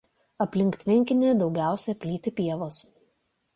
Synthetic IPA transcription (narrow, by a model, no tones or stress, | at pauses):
ɐpʲlʲɪŋʲkt̪ʲʋʲɪŋʲkʲɪnʲeːd̪ɒʊɡʲæˑʊsʲɛpʲlʲiːt̪ʲɪpʲiɛʋoːs